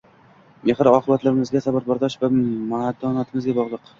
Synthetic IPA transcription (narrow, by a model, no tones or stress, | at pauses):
mehɪɾɒqʰɨbat̪laɾɪmɪzɡʲasabaɾbaɾd̪ɒʃvamad̪ʰɒnat̪ʰɪmɪzɡʲabɒʁlˠɨq